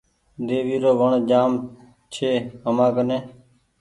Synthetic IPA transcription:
d̪eːʋiːɾoːʋəɳd͡ʒaːm | t͡ʃʰeːəmãːkənẽː

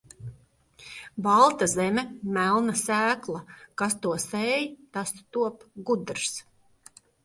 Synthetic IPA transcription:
valˠt̪azɛmʲɛmælˠnasæːklˠakast̪uɔsɛjt̪ast̪uɔpɡud̪ɾs

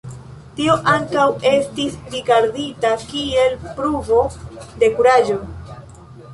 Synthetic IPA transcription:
tio̞ʔaŋkawe̞stisɾiɡaɾditakie̞lpɾuvo̞de̞kuɾaʒo̞

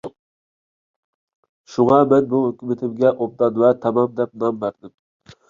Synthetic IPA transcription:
ʃuŋɑmɛnbuɦøkʲymɪt̪ʰɪmɡʲɛʔob̚d̪ɑnwɛt̪ʰɑmɑmd̪ɛp̚nɑmbæɾd̪ɪm

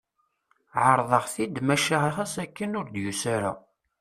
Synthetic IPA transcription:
ʕəɾˤðˤəʁθid̪mæʃahaχæsækːənʊɾd̪jusæɾa̰

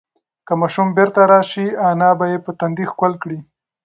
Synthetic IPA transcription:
kəmɑʃumbeɾt̪aɾɑʃianɑbajepət̪and̪ixkwalkɽi

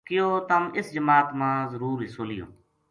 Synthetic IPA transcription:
kɪjoːt̪əmɪsd͡ʒəmaːt̪mãːzəɾuːɾiːsoːlɪjo̰ː

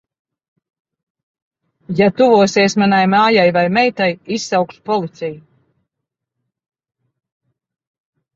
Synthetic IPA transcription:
jat̪uvuɔseɛsmanajmaːjajvajmɛjt̪ajisːawkʃpɔlˠit̪sɛju

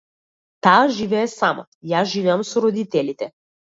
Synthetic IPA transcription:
t̪aːʒivɛːsamɔ̰ | jaʒivɛamsɔɾɔd̪it̪ɛlʲit̪ɛ

